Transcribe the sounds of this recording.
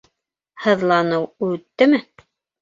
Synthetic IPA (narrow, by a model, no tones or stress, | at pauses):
hɤ̆ðlˠɑnɤwʉt̪ːɘmɘ